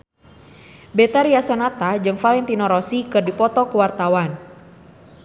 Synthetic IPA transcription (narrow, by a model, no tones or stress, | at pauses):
bɛt̪aɾiasɔnat̪ad͡ʒɨŋfalɛnt̪inɔɾɔsikɨrdipɔt̪ɔkuwart̪awan